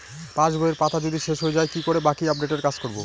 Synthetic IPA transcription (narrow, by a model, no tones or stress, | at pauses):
pãd͡ʑbʱoeɾpat̪ʰad͡ʑod̪ʱiʃeʃɦoed͡ʑaekikoɾebakiap̚ɖeʈeɾkad͡ʑkoɾbo̰